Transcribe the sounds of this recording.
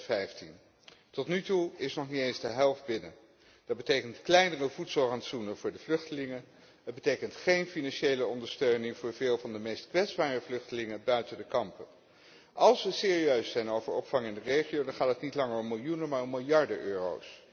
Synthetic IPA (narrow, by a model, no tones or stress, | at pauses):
fɛjftin | tɔtnytuɪsnɔχnitejnzdəɦɛlˠfd̚bɪnə | d̥ɑd̚bətejkəntklɛjnərəvutsəlˠrɑnsunəv̥ʊːɹdəvlɵχtəlɪŋə | əd̚bətejkəntχejnfinɑnʃejləɔndəɹstøɥnɪŋvʊːɹvɪːlˠvɑndəmejstkʋɛtzbaːrəvlɵχtəlɪŋəbœɥtəndəkɑmpən | ʔɑlˠsʋəsɪːriøɥsːɛjnowvəɹɔpfɑŋɪndərejχijowdɑnχaːtətnitlɑŋəɹɔmːɪlˠjunəmaːɹɔmːɪlˠjɑɹdəʔøːro̰ws